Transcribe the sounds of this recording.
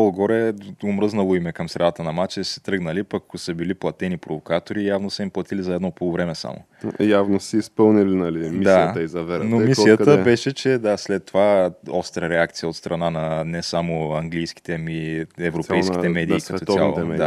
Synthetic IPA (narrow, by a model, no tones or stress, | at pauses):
olˠɡɔɾɛomɾɤznɐlˠoimɛkəmsɾɛd̪at̪ənɐmat͡ʃɛsɛ̥t̪ɾəɡnɐlipɐkkosəbiliplˠɐt̪ɛnipɾovokat̪oɾijavnosəimplˠɐt̪ilizɐɛd̪nɔpolˠovɾɛmɛsa̰mo̰ | javnosiːspɤlˠnilinalimid̪aiət̪əizɐvɛɾnommisijətd̪əɛbɛʃɛt͡ʃɛd̪aslɛt̪ːovaɔfst̪ɾəɾɛak̚t̪sijəot̪st̪ɾʔɐnanɐnɛsamoɐŋɡlijsk̟i̥t̪ɛmiɛvɾopɛjskit̪ɛmɛd̪iːk̪ɐt̪ɔt̪jalˠɛd̪a